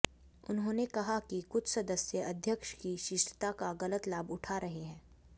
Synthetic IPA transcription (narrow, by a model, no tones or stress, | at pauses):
ʊnɦõːnekɐɦakikʊt͡ʃʰsɐd̪əsjəɐd̪ʱjəkʃkiʃɪʃʈʰt̪akaɣɐlət̪laːbʊʈʰaɾɐɦeɦɛ̃ː